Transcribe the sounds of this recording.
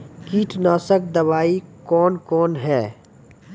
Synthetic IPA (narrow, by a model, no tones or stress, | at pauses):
kiːʈʰnaːsək̚d̪ɐʋaːikɔːnkɔːnɦɛː